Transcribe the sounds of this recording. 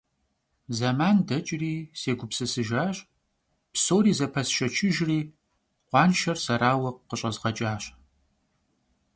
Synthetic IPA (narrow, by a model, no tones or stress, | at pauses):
zɐmaːndɐt͡ʃʼriːseːɡʷʊpsɨsɨʒaːɕʼ | psoːɾiːzɐpʰɐsʃɐt͡ʃʰɪʒriː | qʷɑːnʃɐrsɐɾaːwɐqqəɕʼɐzʁɐt͡ʃʼaːɕʼ